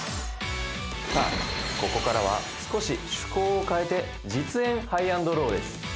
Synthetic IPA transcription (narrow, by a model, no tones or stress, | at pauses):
sa̰ko̞ko̞kaɾaβ̞a̰sɨ̥ko̞ɕiɕɨ̥koːokae̞t̪e̞ | d͡ʑit͡sɨẽ̞ɰ̃haiãnd̪o̞ɾo̞ːd̪e̞sɨ̥